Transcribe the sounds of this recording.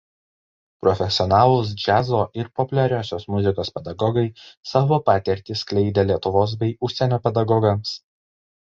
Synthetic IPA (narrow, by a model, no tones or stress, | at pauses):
pɾɔfʲɛsʲɪɔnɑːlˠʊs̬d͡ʒʲæzoːʔɪɾpɔpʊlʲɛɾʲæːsʲoːsmʊzʲɪkoːspʲɛd̪ɐɡɔɡɐɪsɑːʋoːpɑːt̪ʲɛɾʲt̪ʲisklʲɛɪd̪ʲelʲiɛt̪ʊʋoːs̬bʲɛɪʊʃʲsʲɛnʲoːpʲɛd̪ɐɡɔɡɐms